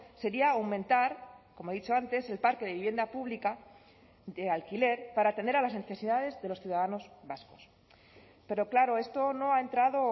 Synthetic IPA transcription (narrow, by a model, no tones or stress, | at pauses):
se̞ɾiaawmẽ̞nt̪aɾko̞moe̞ðit͡ʃo̞ant̪e̞se̞lpaɾkeðe̞βiβje̞nd̪apuβlika | d̪ealkile̞ɾpaɾaːt̪end̪eɾalazne̞θe̞siðað̞e̞zðe̞lo̞sθjuðaðano̞zβasko̞̥s | pe̞ɾo̞klaɾo̞e̞st̪o̞no̞ae̞nt̪ɾaðo̞